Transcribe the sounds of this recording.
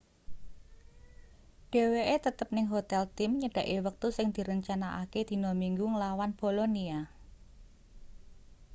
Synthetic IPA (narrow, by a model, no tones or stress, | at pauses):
ɖ̥e̤weʔet̪ət̪əp̚nɪŋɦot̪ɛlt̪ɪmɲəɖ̥ä̤ʔewək̚t̪usɪŋd̪̥i̤ɾəɲt͡ʃanaʔa̰ked̪̥i̤nomiŋɡuŋəlawanb̥o̤lonia